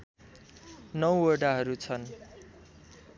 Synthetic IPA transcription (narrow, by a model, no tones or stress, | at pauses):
nʌwʌrɖaɦʌɾut͡sʰʌn